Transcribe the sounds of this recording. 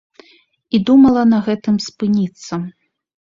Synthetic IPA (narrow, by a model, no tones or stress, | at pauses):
id̪umɐlˠɐnɐɣɛt̪ɨmspɨnʲit̪sːɐ